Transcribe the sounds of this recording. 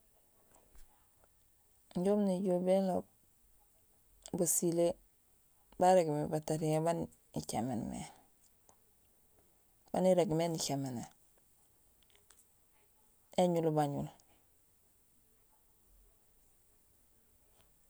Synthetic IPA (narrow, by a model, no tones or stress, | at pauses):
ɲɟomniɟobelo | basile | baɾeɡmebataɾiŋeban | it͡ʃa̰mḛnmḛ | b̥aniɾeɡmenikemene | eɲulbaɲul